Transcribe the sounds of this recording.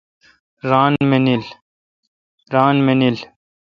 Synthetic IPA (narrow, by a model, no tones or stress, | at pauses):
ɾaːnmenil | ɾaːnmenil